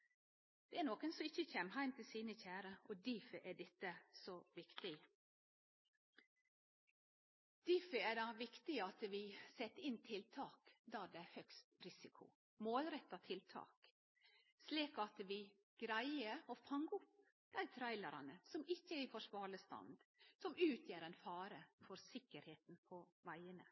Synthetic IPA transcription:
d̪̥ɛænoːkənsɔɪçːəçɛmhæɪmt̪ʰɪlsiːnəçæːɾəʔɔd̪iːfəʔæɖɛt̪ːəsɔʋɪkt̪ɪ | d̪̥iːfəæd̪ɑʋɪkt̪ɪɑt̪ʋɪsɛt̪ːəɪnt̪ʰɪlt̪ʰɑːkd̪ɑːd̪ɛæhœkst̪ɾɪsɪkʰʊ̰ | moːlɾɛt̪ːɑt̪ʰɪlt̪ʰɑ̰ːk | sliːkɑt̪ʋɪ | ɡ̥ɾæɪəɔfɑŋːʊp | d̪̥æɪt̪ʰɾæɪləɾɑ̰nəsɔmɪçːəɪfɔʂʋɑːɭəst̪ɑ̰nd̪sɔmʉːt̪ʰjeːɾɛnfɑːɾəfɔɾsɪkːəɾheːt̪n̩pʰɔʋæɪənə̰

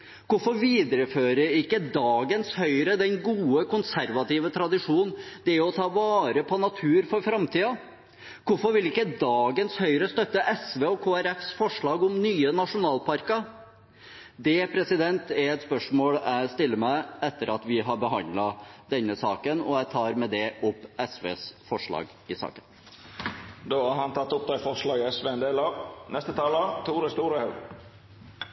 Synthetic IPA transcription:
kʊɾfɔɾʋiːd̪əɾəføːɾəɾɪkːəd̪ɑːɡənshœʏɾəd̪ɛnɡuːəkʊnsæɾʋɑt̪iːʋət̪ʰɾɑd̪ɪʂuːnn̩d̪ɛæɾjʊɔt̪ʰɑːʋɑːɾəpʰɔnɑt̪ʰʉːɾfɔɾfɾɑmt̪ʰiːɑ | kʊɾfɔɾʋɪlɪkːəd̪ɑːɡənshœʏɾəst̪œt̪ːəʔɛsʋeːɔkʰoːæɾɛfsfɔʂɭɑːɡʊmnyːənɑʂʊnɑːlpɑɾkɑ | d̪ɛpʰɾɛsɪd̪ɛnt̪ɛɾɛt̪spœʂmoːlst̪ɪlːəmæɪɛt̪ːəɾɑt̪ʋɪɦɑɾbəɦɑnd̪lɑd̪ɛnːəsɑːkənɔ̰æɪt̪ʰɑːɾmɛd̪ɛʔʊpːɛsʋḛːsfɔʂɭɑ̰ːɡ | ɪsɑ̰ːkən | d̪oːɑhɑnt̪ʰɑt̪ːʊp̚d̪ɛɪfɔʂɭɑːɡəɛsʋeːɛnd̪eːlɑnɛst̪ət̪ʰɑːlət̪ʰuːɾəst̪uːɾəhɑʉ

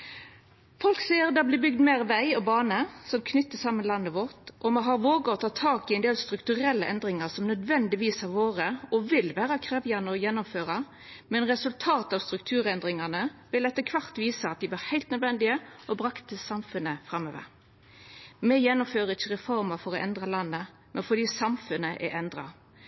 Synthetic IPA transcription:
fɔlksiːəɾd̪ɑblɪːbʏɡd̪meːʁʋæɪɔbɑːnəsɔmkʰnʏt̪ːəsɑmːənlɑnːəʋɔʁt̪ʔɔmɛɦɑʁʋoːɡəɔt̪ʰɑːt̪ʰɑːkɪɛnd̪eːlst̪ɾʉkt̪ʉʁɛlːəʔɛnd̪ʁɪŋɑʁsɔmnœd̪ʋɛnd̪ɪʋiːsɑɾʋoːʁəɔʋɪlʋæːʁɑkʰʁeːʋɪjɑnəɔjɛnːʊmføːʁɑ | mɛnʁɛsʉlt̪ʰɑːt̪əɑʋst̪ɾʉkt̪ʰʉːɾɛnd̪ɾɪŋɑnəʋɪlɛt̪ːəkʰʋɑʁt̪ʋiːsəɑt̪̚d̪ɪbəʁhæɪlt̪nœd̪ʋɛnd̪ɪəʔɔbɾɑkt̪əsɑmfʉnːəfɾɑmːøːʋə̰ɾ | mɛjɛnːʊmføːɾəɾɪçːəʁɛfɔɾməfɔɾɔʔɛnd̪ʁɑlɑnːə | mʔɛnfɔd̪iːsɑmfʉnəʔɛ̰ɛnd̪ɾɑ̰

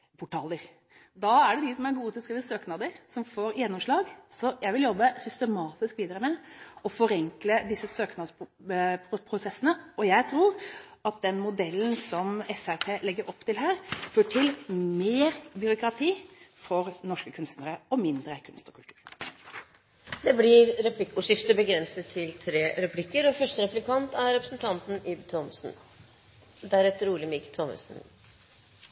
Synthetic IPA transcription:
pʰʊʈɑːləɾ | d̪ɑːæɖɛd̪ɪsɔmæɾɡuːət̪ʰɪlɔskɾiːʋəsøːknɑːd̪əɾsɔmfoːɾjɛnːɔmʂɭɑːɡsɔjæɪʋɪljɔbːəsʏst̪əmɑːt̪ɪskʋiːd̪əɾəmɛɔfɔɾɛŋkləd̪ɪsːəsøːknɑd̪pʰpʰɾʊsɛsːənəɔjæɪt̪ʰɾuːɾɑt̪̚d̪ɛnmʊd̪ɛlːn̩sɔmɛfæɾpʰeːlɛɡːəɾʔɔpːt̪ʰɪlɦæːɾføːʈʰɪlmeːɾbʏɾʊkɾɑt̪ʰiːfɔɾnɔʂkəkʰʉnst̪nəɾəɔmɪnd̪ɾəkʰʉnst̪ɔkʰʉlt̪ʰʉ̥̰ːɾ | d̪ɛblɪɾɾɛpʰlɪkːʊʂɪft̪əbəɡɾɛnsət̪ʰːɪlt̪ʰɾeːɾɛplɪkːəɾɔfœʂʈəɾɛplɪkʰɑnt̪æɾɾɛpɾə̥sn̩t̪ʰɑnt̪n̩ɪd̪t̪ʰɔmsn̩ | d̪æɾɛt̪ːɾuːlɪmɪkt̪ʰɔmə̰sn

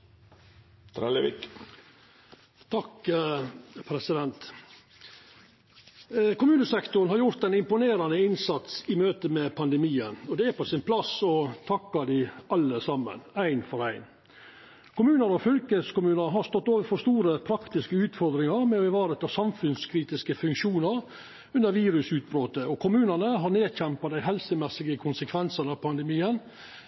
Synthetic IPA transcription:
t̪ʰɾɛləʋḭk | t̪ʰɑk | pʰɾɛsɪd̪ɛnt̪ | kʰʊmʉːnəsɛkt̪ʊnɦɑɾjʊɾt̪æɪnɪmpʊneːɾɑnəɪnsɑt̪sɪmøːt̪əmɛpʰɑnd̪ɛmiːənɔd̪ɛæposɪnpʰlɑsɔt̪ʰɑkːɑd̪æɪɑlːəsɑmːə̰næɪnfɔɾæɪn | kʰʊmʉːnəɾɔfʏlkəskʊmʉːnəɦɑɾst̪ɔt̪ːoːʋəɾfɔʂt̪uːɾəpʰɾɑkt̪ɪskəʉːt̪fɔɾd̪ɾɪŋɑɾmɛɔbɪʋɑːɾət̪ʰɑːsɑmfʉnskʰɾiːt̪ɪskəfʉŋkʂuːnəɾ | ʉnd̪əɾʋiːɾʉsʉːt̪̚bɾoːt̪əɔkʰʊmʉːnənəɦɑɾneːçɛmpɑd̪æɪɦɛlsəmɛsːɪɡəkʰʊnsəkʰʋɛnsənɑpʰɑnd̪ɛmiːən

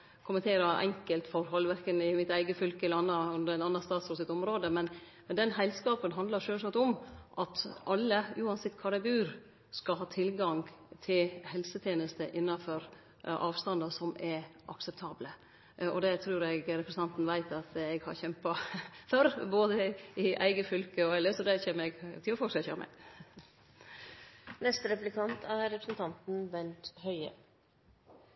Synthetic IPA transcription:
kʰʊmənt̪ʰeːɾɑʔɛ̰ŋkəlt̪fɔɾɦɔlʋæɾkənɪmɪt̪æɪɡəfʏlkəlɑnːɑʉnd̪əɾɛnɑnːɑst̪ɑːt̪sɔsɪt̪ɔmɾoːd̪əmɛn | mɛnd̪ɛnhæɪlskɑːpənɦɑnd̪lɑɾʂøːlsɑt̪ɔmʔɑt̪ʔɑlːəʉːɑnsɛt̪ːkʰɑːd̪ɛbʉːɾ | skɑlɦɑːt̪ʰɪlɡɑŋt̪ʰɪlhɛlsət̪ʰjeːnəst̪əʔɪnːɑfɔɾ | ʔɑːʋst̪ɑnd̪ɑsɔmɛɾʔɑ̰ksɛp̚t̪ʰɑːblə | ɔ̰d̪ɛt̪ʰɾʉːɾɛɡɾɛpɾsnɑnt̪n̩ʋæɪt̪ɑt̪ɛɡhɑ̰ɾçɛmpɑfœɾboːd̪əɪʔæ̰ɪɡəfʏlkəɔɛlːəsɔd̪ɛçeːməɾɛɡt̪ʰɪlɔfɔːʂɛçø̰ːmɛ̰ | nɛst̪əɾɛplɪkʰɑnt̪ʰæɾɾɛpɾəsnt̪ʰɑnt̪n̩ʋɛnt̪hœʏə̰

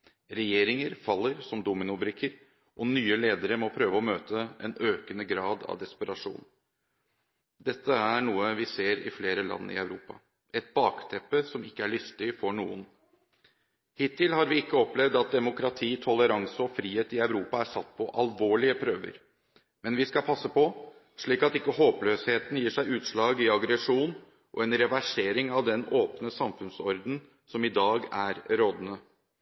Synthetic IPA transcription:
ɾɛjeːɾɪŋəɾfɑlːəɾsɔmd̪ʊmɪnʊbɾɪkʰːəɾ | ʔɔnyːəleːd̪əɾəmɔpʰɾøːʋəɔmøːt̪ʰəʔɛnøːkənəɡɾɑːd̪ɑ̰ʋd̪ɛspəɾɑʂṵːn | d̪ɛt̪ːəæɳuːəʋɪseːɾɪ̰fleːɾəlɑ̰nːə̰ɪ̰œʉɾuːpɑ̰ | ʔɛt̪̚bɑːkt̪ʰɛpːəsɔmɪkːəæɭʏst̪ɪfɔɳuːən | hɪt̪ʰːɪlhɑɾʋɪɪkːəɔplɛʋd̪ɑt̪̚d̪ɛmʊkɾɑt̪ʰiːt̪ʰɔləɾɑŋsəɔfɾiːheːt̪ɪœʉɾuːpɑæʂɑt̪ːpʰɔʔɑlʋoːɭɪəpʰɾøːʋə̰ɾ | mɛnʋɪskɑlpʰɑsːəpʰɔ | ʂɭiːkɑt̪ɪkːəhoːpløːsheːt̪n̩jiːʂæɪʉːt̪ʂɭɑːɡɪɑɡɾɛʂuːn | ʔɔ̰ɛnɾɛʋæʂeːɾɪŋɑʋd̪ɛnoːpnəsɑmfʉnsɔɾd̪n̩ | sɔmɪd̪ɑːɡæɾɾoːd̪ənə

